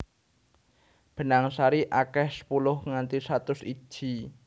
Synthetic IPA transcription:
b̥ə̤naŋsaɾiʔakɛhsə̥pulʊhŋant̪isat̪ʊsi̥ʒ̥i

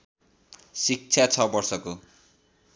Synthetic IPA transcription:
sik̚t͡sʰjat͡sʰʌbʌrsʌko

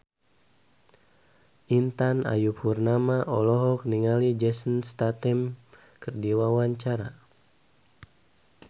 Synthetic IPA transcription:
ʔint̪ana̰juphurnamaʔɔlɔɦɔk̚niŋalid͡ʒɛsənst̪at̪ɛm | kərdiwawaɲt͡ʃaɾa

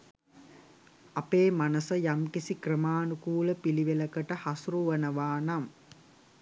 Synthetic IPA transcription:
apeːmanəsəjamkisikrəmaːnukuːləpiliʋeləkəʈəhasuɾuʋənəʋaːnam

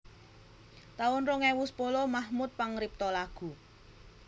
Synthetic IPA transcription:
t̪aʊnroŋɛwuspolɔmahmut̪̚paŋɾip̚t̪ɔlaɡ̥ṳ

